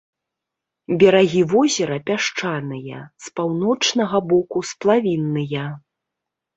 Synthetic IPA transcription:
bʲɛɾaɣʲivɔzʲɛɾɐpʲaʂt͡ʂanɨjɐ̰spawnɔt͡ʂnɐɣɐbɔkusplˠavʲinːɨjɐ

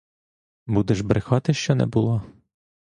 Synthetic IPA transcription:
bud̪ɛʒbɾɪxɑt̪ɪʃt͡ʃɔnɛ̰bulˠɔ

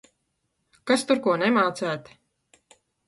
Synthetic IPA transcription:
kast̪uɾkuɔnemaːt̪sæːt̪

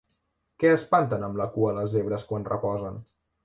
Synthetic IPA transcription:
kɛəspant̪ənəmləkuələzeβ̞ɾəskwanrəpɔzən

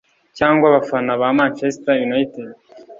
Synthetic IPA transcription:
caːŋɡwaβafanaβamanfesitajunajite

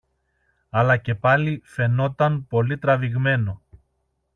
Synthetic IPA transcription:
ɐlɐce̞pɐlife̞no̞t̪ɐnpo̞lit̪ɾɐviɣme̞no̞

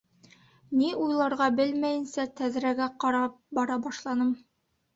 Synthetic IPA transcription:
niujlˠɑɾʁɑbɘlmæjɘ̆nsæt̪æðɾæɡæqɑɾɑpbɒɾɑbɑʃlˠɑnɤm

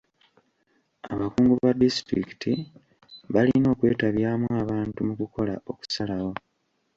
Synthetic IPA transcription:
aβakuːŋɡuβadistɾḭki̥tʰi | βalino̞ːkwe̞ːtaβjaːmwaːβaːntumukuko̞la̰ʔo̞ku̥salawo̞

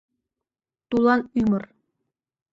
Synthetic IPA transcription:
t̪ulˠɑnymɤ̆r

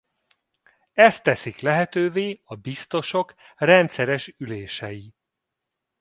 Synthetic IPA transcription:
ɛst̪ɛsiklɛɦɛt̪øːveːɒbist̪o̞ʃo̞krɛnt̪sɛɾɛʃyleːʃɛji

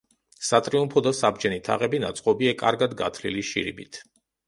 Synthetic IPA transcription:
sat̪ʼɾiumpʰɔd̪asab̚d͡ʒɛnit̪ʰa̰ʁɛbinat̪sʼqʼɔbiɛkʼa̰ɾɡad̪ɡa̰t̪ʰlḭliʃḭɾḭbit̪ʰ

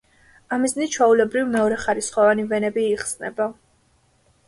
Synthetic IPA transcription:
amiznit͡ʃʰwaulɛbɾivmɛɔɾɛχaɾisχɔvanivɛnɛbiːχsnɛ̰ba

